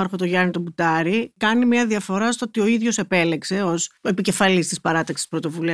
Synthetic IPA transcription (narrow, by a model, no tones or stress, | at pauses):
ɐɾxo̞t̪oʝɐnit̪o̞but̪ɐɾikɐnimɲɐðiɐfo̞ɾɐst̪oot̪io̞iðʝo̞se̞pe̞lekse̞o̞se̞pice̞fɐlist̪ispɐɾɐt̪ɐksi̥spɾot̪o̞vuli